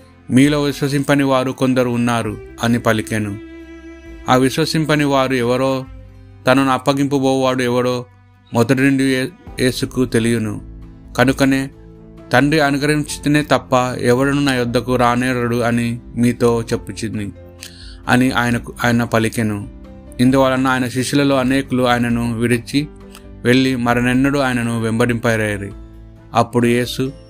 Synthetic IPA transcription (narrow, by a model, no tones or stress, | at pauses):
miːlo̞ːʋiʃwɐs̬impɐniʋaːɾukond̪ɐɾuːnːaːɾuɐnipɐlikenu | aːʋiʃʋɐsimpɐniʋaːɾuɛʋɐɾoː | t̪ɐnɐnuɐpːɐɡimpɐbɔːʋaːɽuɛʋɐɽo̞ː | mɔd̪ɐʈiniɳɖuje̞ːsukut̪e̞lijɐnukɐnukɐneː | t̪ɐɳɖiɐnuɡɐɾɐiɲt͡ʃit̪eneːt̪ɐpːɐɛ̰ʋɐɽɐnunaːjud̪ʱːɐkuɾaːnɛːɾɐɽuɐnimiːt̪o̞ːt͡ʃe̞pːut͡ʃind̪i | ɐ̰niʔa̰ːjɐnɐaːjɐnɐpɐlikenu | ind̪uʋaːɭɐnːɐaːjɐnɐʃiʂulɐlo̞ːɐne̞ːkuluaːjɐnɐnuʋiɽit͡ʃːi | ʋe̞ɭːimɐɾɐnɛnːɐɽuaːjɐnɐnuʋembɐɽimpɐjɾɐjɐɾi | ɐ̰pːuɽuje̞ːsu